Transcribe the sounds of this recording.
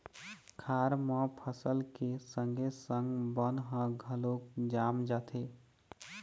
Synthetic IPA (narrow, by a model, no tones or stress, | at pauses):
kʰaːɾmə̃pʰəsəlkesə̃ŋɡʱesə̃ŋɡbənɦə̃ɡʱəlokd͡ʒaːmd͡ʒaːt̪ʰe